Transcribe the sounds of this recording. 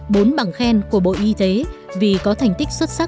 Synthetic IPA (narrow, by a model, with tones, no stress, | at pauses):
ɓo˨˦nɓaː˨˩ŋxɛ˧nku˧˩əɓo̰˧˨ʔi˧t̪e˨˦ | vi˨˩kɔ˨˦t̪ʰa˨˩jŋ̟t̪i˦˥k̟̚swt̚sa˦˥